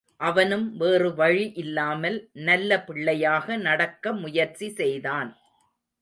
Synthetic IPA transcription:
ʔɐʋɐnɯmʋeːrɯʋɐɻiʔɪlːaːmɐlnɐlːɐpɪɭːɐjaːɣɐnɐɽɐkːɐmʊjɐɾt͡ʃisɛjðaːn

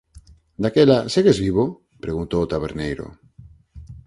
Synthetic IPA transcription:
d̪akelaseɣezβiβo | pɾeɣunt̪oːt̪aβeɾnejɾo̰

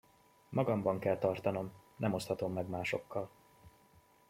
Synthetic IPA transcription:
mɒɡɒmbɒŋkɛlt̪ɒrt̪ɒno̞mnɛmo̞st̪hɒt̪o̞mːɛɡmaːʃo̞kːɒl

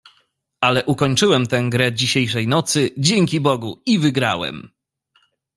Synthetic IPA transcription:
alɛʔukɔɲt͡ʂɘwɛmt̪ɛ̃ɡɾɛd͡ʑiɕejʂɛjnɔt̪sɘd͡ʑeŋʲkʲibɔɡuivɘɡɾa̰wɛ̰m

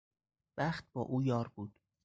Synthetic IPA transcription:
væχt̪̚bɒːʔuːjɒːɾbuːd̪̥

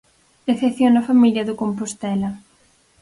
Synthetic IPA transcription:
eθeθjonɐfamiljɐðʊkompost̪ɛlɐ

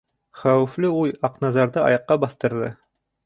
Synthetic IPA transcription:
χæwɘ̆flɘujɑqnɑzɑɾðɤɑ̰jɑqːɑbɑθt̪ɤ̆ɾðɤ

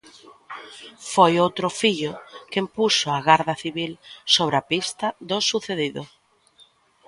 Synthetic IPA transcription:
fojowt̪ɾʊfiʎʊkempusʊaɣaɾðɐθiβilsoβɾapist̪ɐðʊsuθeðiðʊ

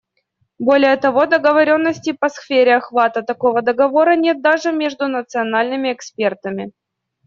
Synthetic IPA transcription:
bo̞lʲɪjət̪ɐvo̞d̪əɡəvɐɾʲo̞nːəsʲtʲɪpɐsfʲeɾʲɪɐxvat̪ət̪ɐko̞vəd̪əɡɐvo̞ɾənʲe̞t̪̚d̪aʐɨmʲeʐd̪ʊnət̪sɨɐnalʲnɨmʲɪɛkspʲe̞rt̪əmʲɪ

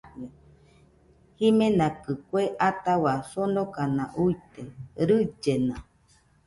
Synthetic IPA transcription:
a | himẽnãkɨkʷeʔat̪awasonokanãʔujt̪eɾɨd͡ʒenã̰

